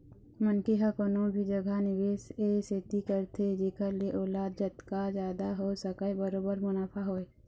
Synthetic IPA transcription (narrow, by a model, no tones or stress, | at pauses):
mənkeɦəkonõbʱid͡ʒəɡʱanɪʋeːseseːt̪ikəɾt̪ʰed͡ʒeːkəɾlieʔoːlaːd̪̚d͡ʒət̪kad͡ʒjaːd̪aɦosəkəebəɾoːbəɾmʊnaːpʰaɦoːe